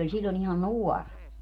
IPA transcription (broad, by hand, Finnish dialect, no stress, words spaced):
olʲ silʲlon ihɑn nuɔr